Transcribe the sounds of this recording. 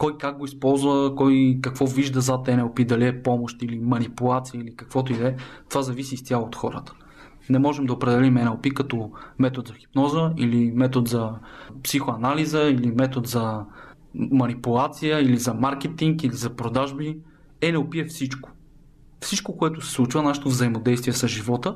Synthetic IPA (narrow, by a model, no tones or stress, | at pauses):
kɔjkaɡ̚ɡoispɔlˠzvəkɔjkɐkvɔviʒd̪əzat̪ɛnɛlˠpid̪ɐliɛpɔmoʃt̪ilimɐnipulˠat̪sijəilikɐkvɔt̪oid̪ɛt̪ovazɐvisist̪ʲjalˠot̪xɔɾə̰t̪ə̥ | nɛmɔʒɛmd̪ɐopɾɛd̪ɛlimɛnɛlˠpikɐt̪ɔmɛt̪od̪zɐxi̥pnɔzəilimɛt̪od̪zɐpsixoɐnalizəilimɛt̪od̪zɐ | mɐnipulˠat̪sijəilizɐmaɾk̟ɛt̪iŋkilizɐpɾod̪aʒbi | ɛnɛlˠpiɛfsit͡ʃko̥ | fsit͡ʃkokoɛt̪ʊsɛ̥slˠut͡ʃvənaʃɛ̥t̪ovzɐimod̪ɛjst̪viɛsɐʒivɔt̪ə